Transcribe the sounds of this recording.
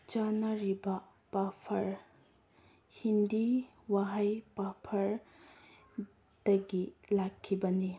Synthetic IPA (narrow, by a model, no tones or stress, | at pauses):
t͡ʃanɐɾibɐ | papʰɐɾ | hindi | waɦajpapʰɐɾ | d̥ɐɡilakʰːibɐni